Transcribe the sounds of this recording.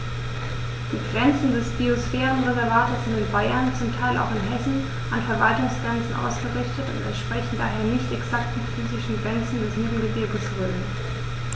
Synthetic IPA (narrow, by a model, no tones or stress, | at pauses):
d̥iːɡʁɛnt͡sn̩dɛsb̥iosfɛːʁənʁɛzɛɐvaːtətz̥ɪntɪnbaɪɐnt͡sʊmtʰaɪlʔa̰ʊxɪnɦɛsn̩ | ʔanfɛɐvaltʊŋsɡ̥ʁɛnt͡sn̩ʔa̰ʊsɡ̥əʁɪçtətʊ̰ntɛ̰ntʃpʁ̥ɛçn̩da̰ːɦeːɐnɪçtɛksaktmɪtfyːzɪʃn̩ɡʁɛnt͡sn̩dɛsjiːʁn̩ɡəbɪɐɡəsʁøːən